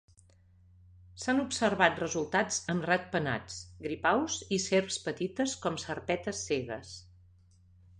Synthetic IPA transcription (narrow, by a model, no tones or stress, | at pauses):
sanupsəɾβat̪̚rəzulˠt̪ad͡zəmrat̪̚pəna̰t͡sɡɾipawziseɾpspət̪it̪əskɔmsərpɛt̪əsːeɣə̰s